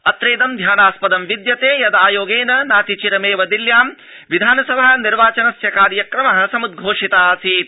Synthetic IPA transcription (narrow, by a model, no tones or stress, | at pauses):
ɐt̪ɾeːd̪ɐmd̪ʱjaːnaːspɐd̪ɐmʋid̪jɐt̪eːjɐd̪aːjoːɡeːnɐnaːt̪it͡ʃiɾɐmeːʋɐd̪iljaːm | ʋid̪ʱaːnɐsɐbʱɐɦɐniɾʋaːt͡ʃɐnɐsjɐkaːɾjɐkɾɐmɐɦɐ̆sɐmud̪̚ɡʱoːʂit̪aːsiːt̪